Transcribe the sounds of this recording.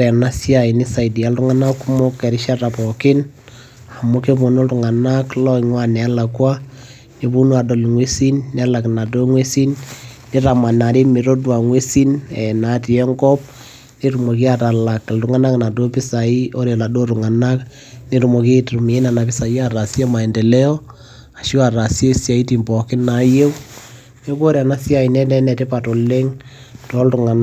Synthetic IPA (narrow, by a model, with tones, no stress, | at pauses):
ɾɛ˨na˦sja˨i˨nɪ˦sa˨i˨di˨a˦lru˦ŋa˦na˦kːu˦mɔ˦kːɛ˨ɾɪ˦ʃa˦ta˨pɔ˨kɪ˦n | a˨mu˦ke˦bo˨no˦ltu˨ŋa˨na˦klɔ˦iŋwa˦nɛ˨˦la˨kwa˦ | ne˨bu˦nwa˨do˨lŋwe˦si˦nːɛ˨˦la˨kna˨do˦ŋwe˦si˦nː | i˦ɾa˨ma˨na˨ɾi˦mi˨ɾo˦dwa˨ŋwe˦si˦nɛ˨na˨ti˨ɛ˦ŋkɔ˦p̚ | ne˦ɾu˨mo˨ki˦a˦ta˨la˨kːɪ˨ltʊ˨ŋa˦na˦kna˨do˦pɪ˦sa˨ɪ˦o˦ɾe˨la˨do˦ɾu˨ŋa˨na˦k | ne˦ɾu˨mo˨ke˦tu˨mi˨˦na˨na˨pɪ˦sa˨ja˨ɾa˨sja˦ma˨ɛ˨ndɛ˨lɛ˦ɔ˦ | a˨ʃi˦a˨ra˨sje˦sa˨i˦ti˨mbɔ˨kɪ˦na˨˦je˦w | ne˦ko˦ɾja˨na˦sja˨i˨nɛ˦nɛ˦nɛ˨te˦pa˨to˨le˦ŋto˦ltʊ˨ŋa˨n˦